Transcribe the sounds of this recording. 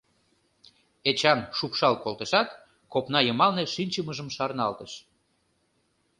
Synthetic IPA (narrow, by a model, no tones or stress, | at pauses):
et͡ɕɑnʃupʃɑlkolt̪əʃɑt̪ | kopnɑjəmɑlneʃinʲt͡ɕəməʒəmʃɑrnɑlt̪əʃ